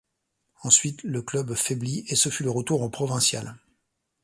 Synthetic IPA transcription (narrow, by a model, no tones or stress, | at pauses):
ɑ̃sɥit̪ləklœbfɛbliesəfyləʁət̪uʁɑ̃pχɔvɛ̃sja̰l